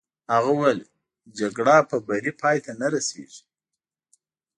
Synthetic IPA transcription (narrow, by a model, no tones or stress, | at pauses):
haɣawel | d͡ʒaɡɽɑpəbaɾipʰɑjt̪anaɾasḛʒi̥